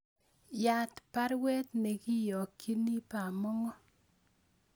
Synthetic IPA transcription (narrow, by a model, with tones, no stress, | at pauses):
ja˦t̪pa˦ɾwɛ˦t̪ne˨ki˦jɔ˨kːi˦ni˦pa˨mɔ˦ŋɔ˦